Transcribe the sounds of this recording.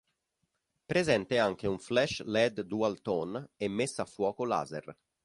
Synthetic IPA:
pɾezɛnt̪eaŋk̟euɱflɛʃlɛd̪d̪ualt̪onemːesːaːfːwɔːkola̰ːzḛr

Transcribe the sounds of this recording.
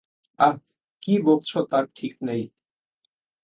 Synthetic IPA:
a | kibolt͡ɕʰot̪aɾʈʰiknej

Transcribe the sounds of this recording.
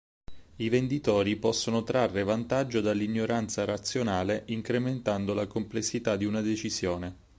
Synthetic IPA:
ivend̪it̪oːɾipɔsːonot̪ɾarːevant̪ad͡ʒːod̪alːiɲːoɾant̪saɾat̪sːjonaːleʔiŋkɾement̪and̪olakomplesːit̪ad̪iunad̪et͡ʃizjoːne

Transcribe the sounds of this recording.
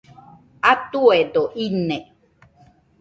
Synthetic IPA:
at̪ued̪oʔine

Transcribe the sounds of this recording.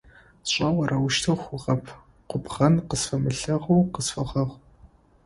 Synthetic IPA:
ɕʷʼɐwɐrʔɐwʊʃtʰɐxʷʊʁɐpʰ | qʷʊbʁɐnqəsfɐmɨɬɐʁuːqəsfɐʁɐʁʷ

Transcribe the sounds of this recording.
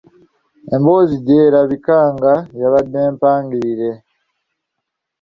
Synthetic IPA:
emboːziɟeːɾaβikaːŋɡajaβadneːmpaːŋɡiɾɾe̞

